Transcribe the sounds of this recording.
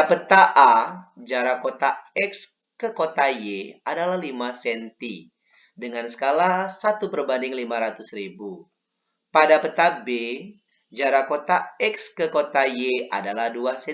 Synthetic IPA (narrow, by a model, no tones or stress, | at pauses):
pət̪aʔad͡ʒaɾakot̪aɛks | kəkot̪ajeadalahlimasɛnt̪i | dəŋansə̥kalasat̪upərbandɪŋlimaɾat̪ʊsribu | padapət̪abe | d͡ʒaɾakot̪aɛkskəkot̪ajea̰dalahduasɛ